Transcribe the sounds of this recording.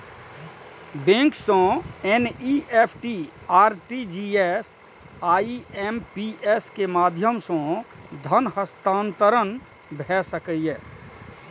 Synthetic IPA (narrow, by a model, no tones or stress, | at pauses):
bẽŋksɔ̃eniepʰʈiaːɾʈid͡ʒies | aːiempiʔeskemaːd̪ʱjəmsɔ̃d̪ʱənhəst̪ãːnt̪əɾən | bʱɛsəkəjɛ